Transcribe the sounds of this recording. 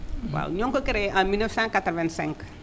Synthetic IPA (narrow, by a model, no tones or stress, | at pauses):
wa̰wɲõŋkokeɾeãmilnəfsãŋkat̪ɾɔvɛ̃nsɛ̰̃ŋk